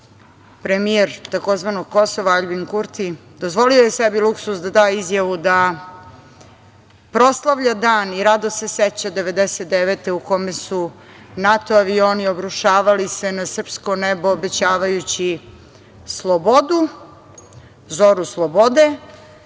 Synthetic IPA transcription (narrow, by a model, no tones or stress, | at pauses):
pɾemieɾt̪ako̞zʋanoɡ̚ko̞soʋaaʎbinkuɾt̪i | d̪ozʋo̞liojesebiluksusd̪ad̪aːizjaʋud̪a | pɾo̞slˠaʋʎad̪aːniɾad̪oseset͡ɕad̪e̞ʋe̞d̪eset̪̚d̪eʋet̪e̞ukomesu | nat̪oaʋio̞ːniobɾuʃaːʋalisenasr̩pskonebo̞ːbe̞t͡ɕaːʋajut͡ɕi | slˠobod̪u | zoɾuslˠobod̪e̞